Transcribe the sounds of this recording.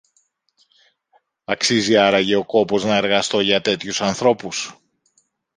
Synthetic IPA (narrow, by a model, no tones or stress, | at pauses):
ɐksiziɐɾɐʝeo̞ko̞po̞znɐe̞ɾɣɐst̪o̞ʝɐt̪e̞t̪çusɐnθɾo̞pus